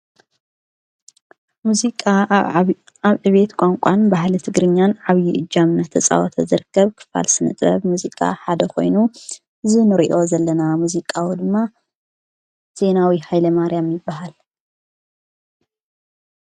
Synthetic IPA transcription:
muzikʼa | aβʕɨβe̞t̪kʷʼaŋkʷʼanbaɦlit̪ʰɨɡɾɨɲːanʕaβjiʔɨd͡ʒːamnat̪ʰɐt͡sʼa̰wɔt̪ʰɐ̰zɨɾɨkːɐβkʰɨ̥fa̰lsɨnɨ̰t̪ʼbɐ̰βmuzikʼa̰ħad̪ɐkʰo̞̰jnu | ʔɨzinɨɾiʔo̞zɐlːɐnamuzikʼawid̪ɨmːa | z̥e̞nawihajlɐmaɾjamjɪbːaɦal

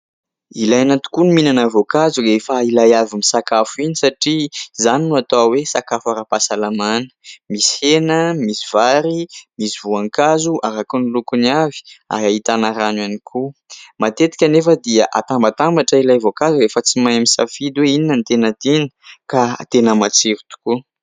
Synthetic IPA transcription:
ilajanat̪u̥kuniminanavokazuefailajavimisakafuinisaʈ͡ʂizaninuat̪awesakafaɾapasalamanə̥mishenəmisivaɾimisivuaŋkazuʔaɾakunilukunavi̥a̰ɾaɦit̪anaɾanwanikʰumat̪et̪i̥kʲanefəd̪iaʔa̰t̪ambat̪ambaʈ͡ʂəilajvokazuefət͡simajaminsa̰fid̪uweininənt̪enət̪enə̥kat̪enəmat͡siɾit̪u̥ku

